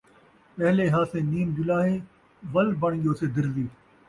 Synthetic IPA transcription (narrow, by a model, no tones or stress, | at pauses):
pɐɦleɦaːsẽːniːmd͡ʑʊlaːɦeː | ʋɐlbɐɳ̃ɠjoːsed̪ɪɾziː